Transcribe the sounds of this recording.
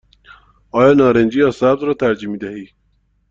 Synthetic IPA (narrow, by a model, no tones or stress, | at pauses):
ɒːjɒːnɒːɾend͡ʒiːɒsæb̚zɾɒːt̪ʰæɾd͡ʒiːmiːd̪æhiː